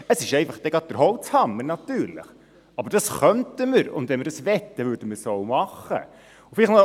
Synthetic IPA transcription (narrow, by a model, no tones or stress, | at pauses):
əsɪʃɛɪfɑχd̪̥ɛɡɑt̪̚d̥əɾɦɔlt͡shɑmːənɑtyːɾlɪ̰χ | ɑbəɾd̥ɑsχœntəməɾʊ̰nd̪ʋɛnməɾdɑsvɛtːəvʏdəməsoʊmɑχə̰ | ufɪlɪχmɑ